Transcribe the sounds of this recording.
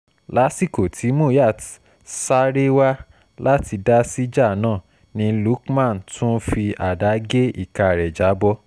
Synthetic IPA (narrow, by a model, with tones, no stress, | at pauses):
la˦si˦˨ko˨tʰi˨˦mo˦˨ja˦˨ | sa˦ɾe˦wa˦ | la˦ti˧da˦si˦d͡ʒa˦˨nãː˦˨ | nĩ˧lu˨˦kmã˦˨n̩˨tʰũ˦fi˧a˨da˨˦ɡe˦ḭ˦˨ka˧˨ɾɛ˨d͡ʒa˨˦bɔ˦